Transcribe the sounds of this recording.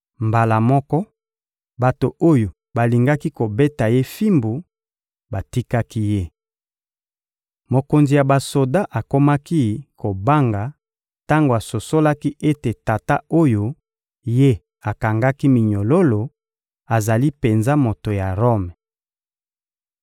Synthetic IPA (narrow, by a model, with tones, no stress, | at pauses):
mba˨la˨mɔ˦kɔ˦ | ba˨to˨o˦jo˨ | ba˨li˨ŋɡa˦ki˦ko˨be˦ta˨je˦fi˦mbu˨ | ba˨ti˦ka˦ki˦je˦ | mo˨ko˨nzi˨ja˨ba˨so˨da˦ʔa˨ko˦ma˦ki˦ko˨ba˦ŋɡa˨ | ta˦ŋɡo˨a˨so˨so˦la˦ki˦ʔe˦te˨ta˨ta˦o˦jo˦ | je˦ | a˨ka˨ŋɡa˦ki˦mi˨ɲo˨lo˦lo˨ | a˨za˨li˦pe˨nza˦mo˨to˨ja˨ʁo˦m˨